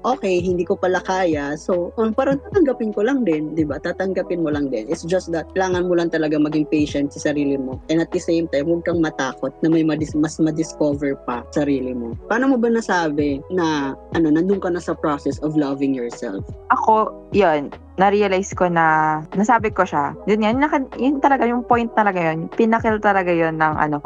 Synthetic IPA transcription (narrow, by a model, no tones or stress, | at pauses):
ʔo̞ːkɛjɦɪnd̪iːkopɐlɐkaːjɐsowʔnpaːɾɐŋt̪aːt̪ɐŋɡɐpɪnkolɐŋd̪ɪnd̪ɪbat̪aːt̪ɐŋɡɐpɪnmolɐŋd̪ɪnɪt̪sd͡ʒɐst̪̚d̪ɐt̪̚kɐlaːŋɐnmolɐŋt̪ɐlɐɡamɐɡɪŋpɛjʃɛnt̪̚sɐsɐɾiːlɪmo̞ʔɛnɐt̪̚d̪ɐsejmt̪ajmwɐɡ̚kɐŋmɐt̪aːko̞t̪̚nɐmɐjmɐd̪ɪmɐsmɐd̪ɪskovɛɹpɐsɐɾiːlɪmo̞paːnomobɐnɐsaːbɛnɐʔɐno̞nɐnd̪ʊŋkɐnɐsɐpɹosɛsɔvlɐvɪŋjɔɹsɛ̰lfʔɐko̞ | jonː | ɐɾiːɐlajskonɐnɐsaːbɪko̞ʃajʊnŋajʊnɐkɐjʊnt̪ɐlɐɡajʊŋpo̞jnt̪̚ːɐlɐɡajonpɪnɐkɛlt̪ɐlɐɡajonːɐŋʔɐ̰no